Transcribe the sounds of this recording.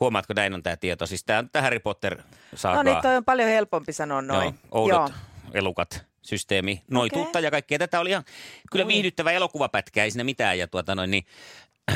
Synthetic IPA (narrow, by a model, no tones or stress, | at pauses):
huomɑːt̪konæinont̪æːt̪iet̪osist̪æːont̪t̪æhæripot̪ːer | sɑ̰ːnonknḭːt̪oiompɑljohelpompisɑnonnooiʔo̰ˑuoḛlukɑt̪ | syst̪eːminoit̪ut̪ːɑjɑkɑikːeːt̪æt̪æoliihɑnkylːæʋihdyt̪ːæʋæelokuʋɑpæt̪kæːeisiːnæmit̪æːjjɑt̪uot̪ɑnoinni